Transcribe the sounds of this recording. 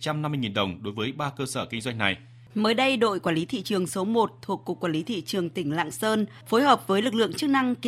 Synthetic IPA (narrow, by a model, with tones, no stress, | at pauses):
t͡ɕa˧mna˧mːɨ˧jŋi˨˩nɗə˨˩wŋ͡mɗo˨˦jvəː˨˦jɓaː˧kəː˧səː˧˩kï˧ŋzwa˧ŋ̟na˨˩j | məː˨˦jɗə˧jɗo̰˧˨jkwaː˧˩li˨˦t̪ʰḭ˧˨t͡ɕɨ˨˩əŋso˨˦mo˨˩t̚t̪ʰu˨˩əkːu˨˩k̚ːwa˧˩li˨˦t̪ʰḭ˧˨t͡ɕɨ˨˩əŋt̪ï˧˩ŋ̟la̰ː˧˨ŋsəː˧n | fo˨˦jɦəː˨˩p̚vəː˨˦jlɨ˨˩k̚lɨ̰˧əŋt͡ɕɨ˦˥k̚na˧ŋk